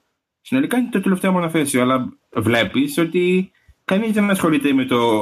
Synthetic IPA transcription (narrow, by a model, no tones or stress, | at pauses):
sino̞likɐinet̪ot̪e̞le̞ft̪eomonɐθe̞sioɐlɐvle̞piso̞t̪i | kɐnizenɐnɐsxo̞lit̪eme̞t̪o̞